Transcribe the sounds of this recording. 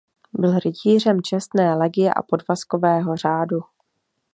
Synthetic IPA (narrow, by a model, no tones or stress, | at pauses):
bɪlɾɪciːr̝ɛmt͡ʃɛst̪nɛːlɛɡɪjɛ̰ʔa̰po̞dvasko̞vɛːɦo̞r̝aːdu